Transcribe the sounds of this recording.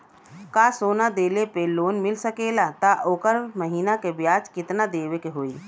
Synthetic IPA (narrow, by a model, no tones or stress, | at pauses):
kasoːnad̪eːlepeloːnmɪlsəkelat̪aʔoːkəɾməɦiːnakebjaːt͡ʃkɪt̪nad̪eːʋekeɦoːi